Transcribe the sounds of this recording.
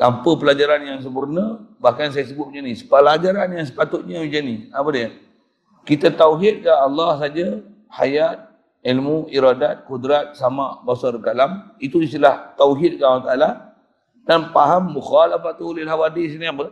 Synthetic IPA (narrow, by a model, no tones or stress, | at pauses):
t̪ampəpəlad͡ʒaɾanjaŋs̬əpurnaəbahkans̬ajasəbʊt̪̚iɲd͡ʒanisə̥pəlad͡ʒaɾanjaŋs̬ə̥pat̪ʊt̪̚ɲawid͡ʒaniapədijə | kit̪at̪awɦit̪̚kaːlːɑhs̬ad͡ʒa | ha̰jat̪̚ | ilmuʔiɾadat̪̚kudɾat̪̚samaʔbasɔɾkalamit̪uisilaht̪awɦit̪̚kaʔawat̪aːla | danpaɦamːuxalafat̪ulilɦawadisiniapə